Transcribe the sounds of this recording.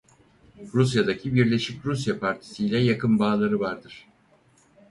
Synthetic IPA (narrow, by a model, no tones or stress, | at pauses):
ɾusjad̪acʰibiɾlʲe̞ʃicɾusjapʰaɾt̪ʰi̥sijlʲɛjakʰɯnbaːlˠaɾɯvaɾd̪ɯɾ̥